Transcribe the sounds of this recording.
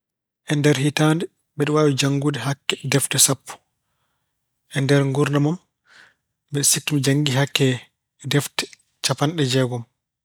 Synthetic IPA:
ʔɛndɛɾhitandɛ | bɛɗɛwawid͡ʒaŋɡudɛɦakːɛdɛftɛsapːu̥ | ʔɛndɛɾŋɡuɾnamam | bɛɗɛsikːumd͡ʒaŋɡiɦakːɛ | dɛftɛ̥ | t͡ʃapanɗɛd͡ʒɛɡɔm

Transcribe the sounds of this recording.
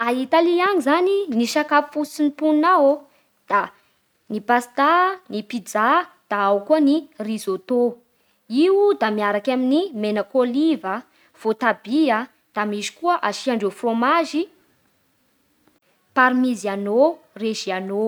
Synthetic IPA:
ait̪aliaɲizaniniʃakafi̥fut͡sinipunnawo | d̪̥a | nipast̪anipid͡za | d̪̥aawkuənirizot̪o | iud̪amiaɾakʲaminimenəkolivə | v̥ot̪abiə | d̪̥amizi̥kuəʔaʃiaɳɖ͡ʐefromaʒi | paɾmiziano | reʒiano

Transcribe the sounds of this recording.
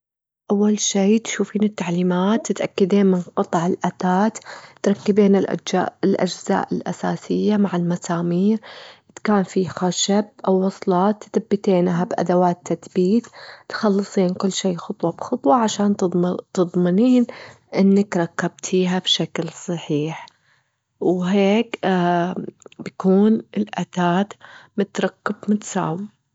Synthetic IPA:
ʔawːalʃeːt̪ʃuːfiːnɪt̪ːaʕliːmaːt̪ːɪt̪ʔakːad̪eːnmɪnqɨt̪ˤʕɪlʔat̪aːt̪t̪ɾˤɑkːɪbeːnɪlʔaɪlʔa̰d͡ʒza̰ːʔɪlʔa̰sa̰ːsɪjːamaʕɪlmasaːmiːɾɪt̪kaːnfixaʃab̚ʔawːɑsˤlɑːt̪ːθabːɪt̪eːnɦabʔa̰d̪awaːt̪ːaθbiːt̪t̪xɑlːɨsˤiːnkʊlːʃiːxʊt̪ˤwɑbxʊt̪ˤwɑʕaʃaːnt̪ɨðˤmɪniːn | ʔɪnːakɾˤɑkːab̚t̪ʰiːɦabʃaklsˤɑħiːħ | wɦeːk | bakuːnɪlʔat̪aːt̪mɪt̪ɾˤɑkːɪbmɪt̪sa̰ːw

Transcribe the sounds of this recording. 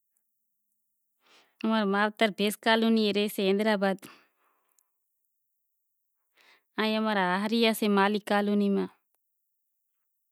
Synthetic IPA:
ɐmɐɾmaːʋt̪ɐɾpeːskaːlunieɾeseend̪ɾaːbaːd̪ | aːjɐmɐɾaaɦɐɾijasemaːlikaːlunima

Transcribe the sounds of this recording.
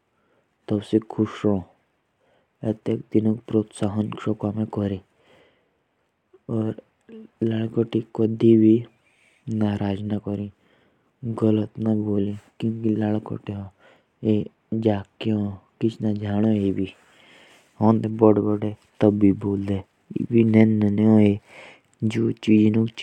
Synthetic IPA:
t̪əbsekʰʊʃɾoː | et̪ek̚d̪inõkpɾoːt̪saːɦənʃokamẽkɔɾĩ | ɔːɾ | laːɭkoʈikəd̪ʱibʱi | naːɾʔaːd͡ʒnakɔɾĩ | ɡələt̪naboːliːkjõːkilaːɭko̰ʈeõ | eː | d͡ʒaːkeõːkɪt͡ʃʰnad͡ʒaːɽ̃oeːbiː | ɦɔːnd̪ebɔɽbɔɖet̪əbːiːboːld̪ḛː | binɛnneõeː | d͡ʒoːt͡ʃiːd͡ʒnũ

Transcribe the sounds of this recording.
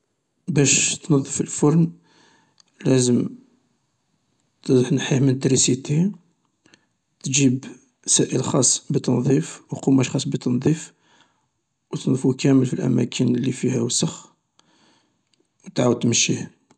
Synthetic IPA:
bæʃt̪nɑðˤːəfəlfʊɾn | læzəm | t̪ħnħihmənt̪ɾisit̪i | t̪ʒib | sæʔəlxɑsˤːbət̪ɑnðˤifwqumæʃxɑsˤːbət̪ɑnd̪ˤif | wt̪ndˤfukæməlfilʔæ̰mækʰənlifihæwsɑx | wt̪ʕawəd̪̚t̪məʃːih

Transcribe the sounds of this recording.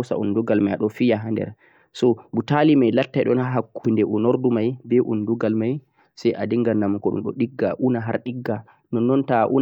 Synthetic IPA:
sa̰unduɡalmajaɗɔfijaɦandɛ̰ɾ | sɔbutalimajlatːajɗɔ̰naɦakʰːundɛʔunɔɾdumajbɛʔunduɡalmaj | sɛjʔadiŋɡanːamukɔɗṵmɗɔ̰ɗiɡːaʔunaɦaɾɗiɡːa | nɔnːɔntaʔṵn

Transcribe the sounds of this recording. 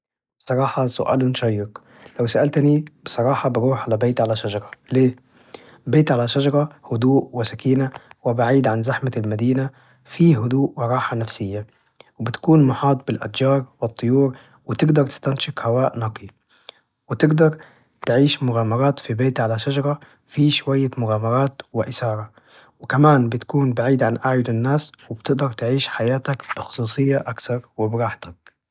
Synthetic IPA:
bsˤɑɾˤɑːħɑsʊ̰ʔæ̰ːlɪnʃɑjːɪq | læwsaʔælt̪nibsˤɑɾˤɑːħɑbɪɾuːħʕalæbeːt̪ʕalæʃæd͡ʒɑɾˤɑleː | beːt̪ʕalæʃad͡ʒɑɾˤɑhʊd̪uːʔwɪsækiːnæwɪbaʕiːd̪ʕanzaħmalmæd̪iːnæ | fiːɦʊd̪uːʔwɪɾˤɑːħɑnæfsɪjːa | wɪbɪt̪kuːnmʊħɑːt̪ˤbɪlʔæd̪d͡ʒɑːɾˤwɪt̪ˤːojuːɾ | wɪt̪ɪɡd̪ɑɾˤt̪ɪ̥st̪anʃɪkhawaːʔnɑqʰi | wɪt̪ɪɡd̪ɑɾˤ | t̪ʕiːʃmʊɣaːmɑɾˤɑːt̪fibeːt̪ʕalaʃad͡ʒɑɾˤɑ | fiʃwajːamʊɣaːmɑɾˤɑːt̪wɪʔɪsɑːɾˤɑ | wɪkamaːnbɪt̪ḁkuːnbaʕiːd̪ʕanʔaʕjʊlɪnːaːswɪb̥t̪ɪɡ̚d̪ɑɾˤt̪ʕiːʃħajaːt̪akb̥ɪxʊ̥sˤuːsˤɨjːaʔakθɑɾˤwɪbɾˤɑːħt̪ak̚

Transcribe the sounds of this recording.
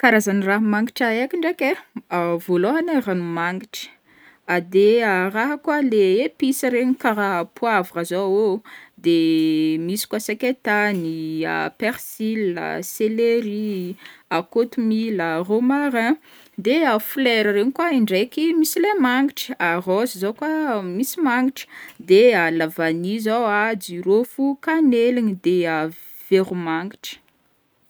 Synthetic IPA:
kaɾazaniraɦmaŋɡiʈ͡ʂaekiɳɖ͡ʐekeavoloɦanaranumaŋɡiʈ͡ʂə̥ | ad̪earaɦakwaleepisəɾeɲikaɾapʰuavaazood̪emisi̥kwasakʲet̪ania̰peɾsilə̰seleɾi | akot̪umiləromaɾã | d̪eafleɾəɾenikwaiɳɖ͡ʐekimisilemaŋɡiʈ͡ʂə̥arozizowkwamisimaŋɡiʈ͡ʂə̥d̪ealavanizawad͡ʒiɾofukanelinid̪ea | v̥eɾumaŋɡiʈ͡ʂə̥

